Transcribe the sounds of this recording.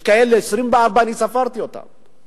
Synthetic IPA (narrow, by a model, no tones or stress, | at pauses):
kaelːesɾimbaabanisafaɾt̪iot̪a̰m